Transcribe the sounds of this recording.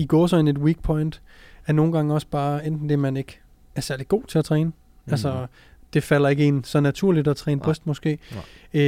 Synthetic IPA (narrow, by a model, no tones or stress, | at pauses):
iɡ̥ɔːsɒene̝d̥wiːɡ̥̚pʰɒ̽ɪnd̥ | æɐno̝ːn̩ɡ̥ɑ̈ŋəɒ̽sb̥ɑ̈ːend̥n̩d̥æɐmæne̝ɡ̥ə | æɐsæɐlid̥ɡ̥o̝̰ːt͡sʰe̝æt͡sʰʁɛːnə | ælsɐ | d̥e̝fælɐe̝ɡ̥əinsɒ̽næt͡sʰuɐ̰lid̥ɒt͡sʰʁɛ̰ːnəb̥ʁɛsd̥mɒ̽sɡ̥e̝̰ː